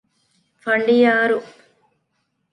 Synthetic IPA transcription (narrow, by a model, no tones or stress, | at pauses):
fɐɳɖijaːɾu